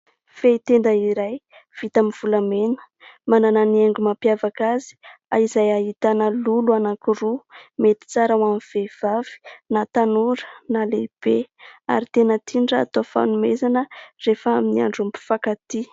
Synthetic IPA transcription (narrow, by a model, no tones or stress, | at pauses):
feit̪end̪əiɾaj | v̥it̪amiv̥ulamenə̥ | manananieŋɡumapjavakazi̥a̰izajaɦit̪anəluluanakuɾumet̪i̥t͡saɾawamv̥ev̥avi̥nat̪anuɾənaleb̥ea̰ɾit̪enət̪ʰiɳɖ͡ʐa̰ːt̪ofa̰numezanərefəaminia̰ɳɖ͡ʐumpu̥fakat̪i